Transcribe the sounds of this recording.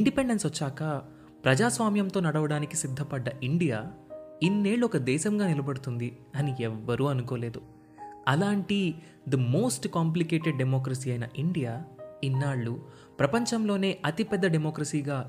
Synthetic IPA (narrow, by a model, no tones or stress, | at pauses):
iɳɖipeɳɖensʋɐt͡ʃːaːkɐ | pɾɐd͡ʒaːsʋaːmjɐmt̪o̞ːnɐɽɐʋɐɽaːnikisid̪ʱːɐpɐɖːɐʔiɳɖijaːinːe̞ːɭːuɔkɐd̪ɛːʃɐmɡaːnilɐbɐɽut̪und̪i | ɐniɛʋːɐɾuːɐnukoːle̞ːd̪u | ɐlaːɳʈi | d̪ɐmo̞ːsʈkaːmplikeːʈeɖɖemoːk̬ɾɐsiːɐjnɐʔiɳɖijaːinːaːɭːu | pɾɐpɐɲt͡ʃɐmlo̞ːne̞ːʔɐt̪ipɛd̪ːɐɖemoːkɾɐsiːɡaː